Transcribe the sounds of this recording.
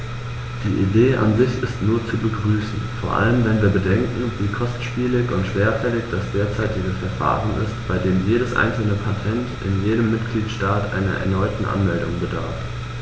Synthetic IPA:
d̥iːʔideːʔa̰nzɪçɪstnuːɐt͡subəɡʁyːsn̩foːɐʔa̰ləmvɛnviːɐbədɛŋkŋ̩viːkʰɔstʃpiːlɪçʊntʃv̥eːɐfɛlɪçd̥asd̥eːɐt͡saɪtɪɡəfɛɐfa̰ːʁənɪ̰stb̥aɪdeːmjeːɾəsʔa̰ɪnsl̩nəpʰatʰɛntʔɪ̰njeːɾəmːɪtɡ̥liːtʃtaːtʔa̰ɪnɐ̰ʔɛ̰ɐnɔʏtn̩ʔa̰nmɛldʊŋbəda̰ɐf

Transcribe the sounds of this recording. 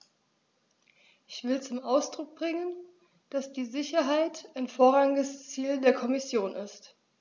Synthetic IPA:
ʔɪçv̥ɪlt͡sʊmʔaʊsd̥ʁʊk̚b̥ʁɪŋən | d̥asd̥iːzɪçɐɦaɪtaɪnfoːɐʁaŋɪɡəst͡siːldeːɐkʰɔmɪsjoːnʔɪst

